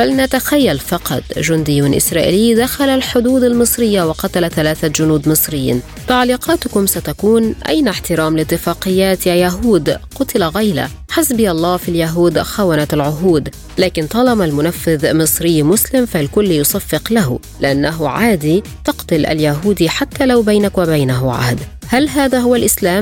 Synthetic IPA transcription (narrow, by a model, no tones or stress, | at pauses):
balnat̪axajːalfɑqɑt̪ˤʒʊnd̪ɪjːʊnʔɪ̰sɾˤɑːʔɪ̰lɪːd̪axalalħʊd̪uːd̪almɨsˤɾɪjːawɑqɑt̪alaθalaːθad͡ʒʊnuːd̪mɨsˤɾɪj̰ːn | t̪aʕliːqɑːt̪ʊkʊmsat̪akuːnʔa̰jnaħt̪ɪɾɑːmlɪt̪ːɪfɑːqɪjːaːt̪jaːjaɦuːd̪qʊt̪ɪlaɣajla̰ | ħasbɪjalˤːɑːfiljaɦuːd̪xawanat̪alʕʊɦuːd̪ | laːkɪnt̪ˤɑlɑmalmʊnafːɪðmɨsˤɾɪjːmʊslɪmfalkʊlːjʊsˤɑfːɪqlaɦʊ̰ | lɪʔanːaɦʊʕaːd̪it̪ɑqt̪ʊlʔa̰ljaɦuːd̪iħat̪ːaːlawbajnakwabajnaɦʊʕa̰hd̪ | halɦaːðaːɦʊwalʔɪslaːm